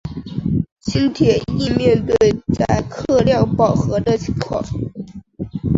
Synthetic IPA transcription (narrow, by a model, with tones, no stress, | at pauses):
ɕi˥nt̪ʰjɛ˨˩i˥˧mjɛ˥˧nt̪we˥˧ɪt͡sa˥˧ɪkʰɤ˥˧ljɑ˥˩ŋpɑ˨˩ʊxɤ˧˥d̪ə˧t͡ɕʰi˧˥ŋkʰwɑ̰˥˩ŋ